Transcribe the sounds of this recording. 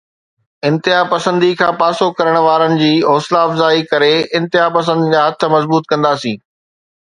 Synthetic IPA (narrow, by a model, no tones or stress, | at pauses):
ɪ̃nt̪ɪɦapɐsə̃nd̪ikʰãːpaːsokɐɾəɽ̃ʋaːɾənɪ̆d͡ʑiːɔːslaɐfzaːikɐɾeɪ̃nt̪ɪɦapɐs̬ə̃nd̪ɪd͡ʑaːɦɐt̪ʰə̆mɐzbuːt̪kɐ̃nd̪aːsĩː